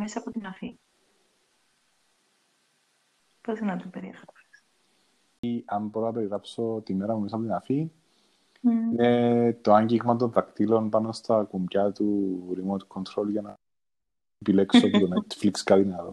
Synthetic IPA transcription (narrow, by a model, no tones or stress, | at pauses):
mesɐːpot̪inɐfi | posenɐt̪upeɾiexɾɐse̥s | ɐmboɾonɐpeɾiɾɐpso̞t̪imːe̞ɾɐmumesɐpot̪inɐfi | net̪oaɲɟiɣmɐt̪̬o̞nðɐkt̪ilo̞npɐno̞st̪ɐkumɟɐt̪uɾimot̪kʰːont̪ɾo̞lʝɐnɐ | epile̞ksopot̪onet̪flikskɐðinɐðo̰